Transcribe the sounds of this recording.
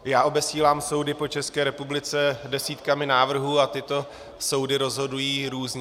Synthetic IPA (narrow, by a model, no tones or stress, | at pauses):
jaːʔo̞bɛsiːlaːmso̞wdɪpo̞t͡ʃɛskɛːɾɛpublɪt͡sɛdɛsiːt̪kamɪnaːvr̩ɦuːat̪ɪt̪o̞ | so̞wdɪɾo̞zɦo̞dujiːɾuːzɲ